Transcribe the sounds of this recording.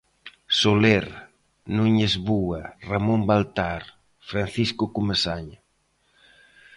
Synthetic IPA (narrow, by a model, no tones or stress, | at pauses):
soleɾ | nuɲezβuaramombalt̪aɾ | fɾanθiskʊkumesaɲa